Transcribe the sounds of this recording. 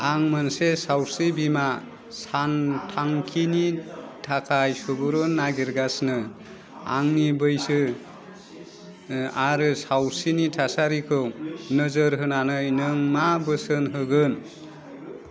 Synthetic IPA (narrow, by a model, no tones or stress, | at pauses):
aŋmansesawsibima | santʰaŋkʰinitʰakʰajsubɯɾɯnːaɡiɾɡasnɯ | a̰ŋnibɯjsɯ | aɾɯsawsinitʰasaɾikʰɯwnɯzɯɾɦɯnanɯjnɯŋmabɯsɯnɦɯɡɯn